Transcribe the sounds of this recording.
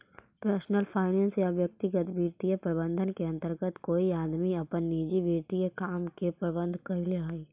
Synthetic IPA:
pɾɛːsnəlpʰaːɪnẽnsjaʋjək̚t̪ɪɡət̪biːɾt̪ijəpɾəbə̃nd̪ʱənkeɐ̃nt̪əɾɡət̪koːiaːd̪miɐpənːiːd͡ʒibiːɾt̪ijekaːmkepɾəbə̃nd̪ʱkɐɾileaːiː

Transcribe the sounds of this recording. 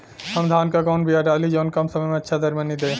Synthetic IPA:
ɔnd̪ʱankakɔnbiaʈalid͡ʑɔnkamsɔmematːʃʰad̪ɐɾmanid̪e

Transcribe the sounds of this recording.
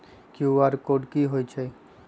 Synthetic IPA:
kiuaɾkoːɖkiɦoːjt͡ʃʰɛ

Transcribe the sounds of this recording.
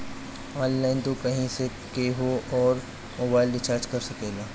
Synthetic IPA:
ɔ̃ːnlaːɪnt̪okɐɦĩse | keːɦoɔːɾ | moːbaːɪlɖɪt͡ʃaːɾd͡ʒkɐɾsɐkeːɡaː

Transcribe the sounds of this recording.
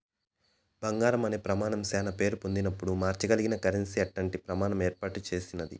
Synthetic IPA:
bɐŋɡaːɾɐmɐneːpɾɐmaːnɐmsɛːnɐpe̞ːɾupond̪inɐpːuɽumaːɾt͡ʃɐɡɐliɡinɐkɐɾensiɐʈlɐɳʈipɾɐmaːnɐmeːɾpaːʈut͡ʃe̞ːsinɐd̪ḭ

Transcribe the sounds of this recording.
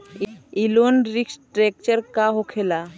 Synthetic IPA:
ilonɾiksʈɾek̚t͡ɕəɾkaɦokʰela

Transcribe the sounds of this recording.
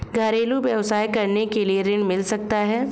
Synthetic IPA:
ɡʱaːɾeːluʋjɐʋsaːjkɐɾnekelieɾɪ̃ɳmɪlsɐk̚t̪aɦɛː

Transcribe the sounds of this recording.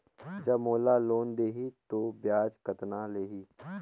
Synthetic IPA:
d͡ʒɐbmoːlaloːnd̪eːɦit̪objaːd͡ʒkət̪naleːɦiː

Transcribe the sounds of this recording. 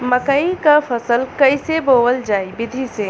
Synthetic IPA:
məkəikapʰəsəlkəjsebowəld͡ʒaːibɪd̪ʱise

